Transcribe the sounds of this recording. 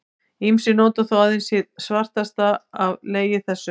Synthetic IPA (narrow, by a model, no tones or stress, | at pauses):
imsɪnɔːt̪aθawaːðɪnsjɪðsvar̥t̪ast̪aavleːjɪθɛsːʏ